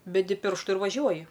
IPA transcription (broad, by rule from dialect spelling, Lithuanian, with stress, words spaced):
bʲɛˈdʲɪ ˈpʲɪrʃtʊ ɪr ʋɐˈʒʲuɔjɪ